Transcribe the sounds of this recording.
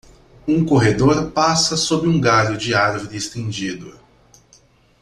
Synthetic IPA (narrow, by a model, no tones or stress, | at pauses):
ũkoɦed̪oɾpasɐsobɪũɡaʎʊd͡ʒɪaɾvoɾɪːst̪ẽnd͡ʒid̪ʊ